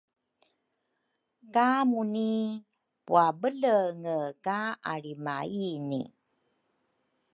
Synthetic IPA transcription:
kamuni | puabələŋəkaaɾimainḭ

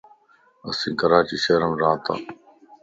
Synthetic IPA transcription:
ə̰sĩːkəɾaːt͡ʃiːʃeːɾəmɾãːt̪a̰ː

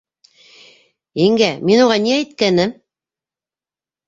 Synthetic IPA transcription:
iŋɡæminuʁɑniæjt̪̚kænɘm

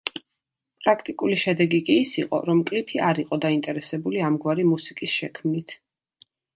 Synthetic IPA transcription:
pʼɾakʰt̪ʼikʼuliʃɛd̪ɛɡikʼiːsiqʼɔ̰ɾɔmkʼlipʰiaɾiqʼɔd̪aint̪ʼɛɾɛsɛbuliamɡwaɾimusikʼisʃɛkʰmnit̪ʰ

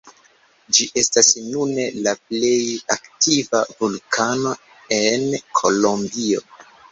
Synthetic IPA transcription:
d͡ʒiʔe̞stasnune̞lap̚le̞jaktivavulkʰano̞ | e̞nkʰo̞lo̞mbio̞

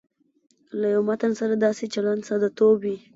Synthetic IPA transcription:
lajawmat̪ansaɾad̪ɑset͡ʃaland̪sad̪ɑt̪obwi

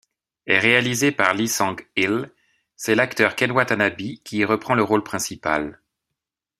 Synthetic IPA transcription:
ɛʁealizepaʁlisɑ̃ɡil | sɛlakt̪œʁkɛnwat̪anabikʲiʁəpχɑ̃ləʁolpχɛ̃sipa̰l

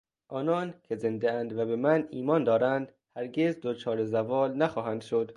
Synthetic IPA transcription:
ʔɒːnɒːnkʰe̞ze̞nd̪eænd̪væbemæniːmɒːnd̪ɒːɾænd̪ | hæɾɡe̞zd̪ot͡ʃʰɒːɾezævɒːlnæxɒːɦænd̪̥ʃod̪̥

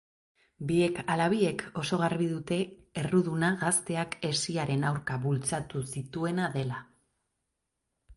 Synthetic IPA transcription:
bie̞kalaβ̞ie̞kʰo̞so̞ɣaɾβiðut̪e̞ːruðunaɣast̪e̞ake̞siaɾe̞nawɾkaβult͡sat̪usit̪ue̞naðe̞la

